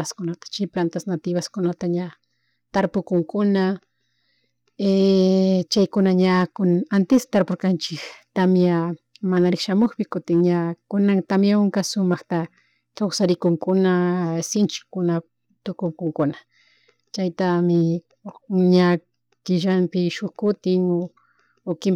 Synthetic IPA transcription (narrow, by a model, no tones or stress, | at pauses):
askʊnat̪ḁt͡ʃajplant̪asnat̪ɪbaskʊnat̪aɲa | t̪aɾpʊkʊŋkʊna | e | t͡ʃajkʊnaɲakʊnant̪ɪst̪aɾpoɾkant͡ʃɪkt̪amjamanaɾɪkʃamoχpɪkʊt̪ɪŋɲakʊnaŋt̪amjaʊŋkasʊmaχt̪a | kawsaɾɪkʊŋkʊnasɪnt͡ʃɪ̥kʊna | t̪ʊkʊŋkʊŋkʊna | t͡ʃajt̪amɪ | ɲa | kɪʒampɪʃʊχkʊt̪ɪŋo | okɪm